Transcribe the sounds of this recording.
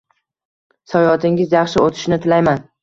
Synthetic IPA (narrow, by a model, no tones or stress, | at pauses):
sɒjɒt̪ʰɪŋɪzjɑχʃɪot̪ʰɪ̥ʃnɪt̪ʰɪlajman